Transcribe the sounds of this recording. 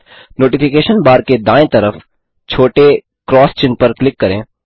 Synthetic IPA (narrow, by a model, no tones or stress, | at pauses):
noːʈɪpʰɪkeːʃənbaːɾked̪ãːẽt̪ɐɾəf | t͡ʃʰoːʈe | kɾɔːst͡ʃɪ̃npɐɾklɪkːɐɾẽː